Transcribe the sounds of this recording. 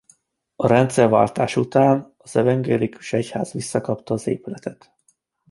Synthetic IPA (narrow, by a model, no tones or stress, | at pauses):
ɒɾɛnt̪sɛrva̰ːlt̪aːʃut̪aːnɒz̥ɛvɛŋɡɛliku̥ʃɛcha̰ːz̥ʋisːɒkɒpt̪ɒːzḛːpylɛt̪ɛt̪